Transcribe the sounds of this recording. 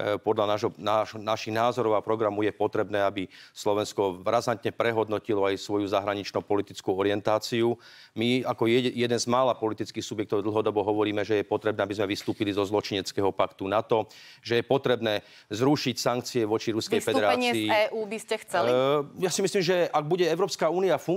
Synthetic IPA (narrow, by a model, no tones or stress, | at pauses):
pɔd̪ʎanaːʒɦɔnaːʒɔnaʃiɣnaːzɔɾɔʊapɾɔɡɾamɔjɛpɔt̪ɾɛbnɛːabislɔʋɛnskɔɾazant̪ɲɛpɾɛɦɔd̪nɔcilɔajsʋɔjuzaɦɾaɲit͡ʃnupɔlit̪it͡skuɔɾiɪɛnt̪aːt͡siu | miakɔjɛd̪ɛnzmaːlapɔlit̪it͡skiːxsubjɛk̚t̪ɔʊd̪l̩ˠɦɔd̪ɔbɔɦɔʋɔɾiːmɛʒɛjɛpɔt̪ɾɛbnɛːabizmɛʋist̪uːpilizɔzlɔt͡ʃiɲɛt͡skɛɦɔpakt̪unat̪ɔ | ʒɛjɛpɔt̪ɾɛbnɛː | zɾuʃicsaŋk̚t͡siɛʋɔt͡ʃiɾuskɛjsfɛd̪ɛɾaɛːɲɪiːɛːʔuːbiscɛxt͡sɛlijaːsimisliːmʒɛaɡ̚buɟɛɛʊɾɔːpskauːniafuŋ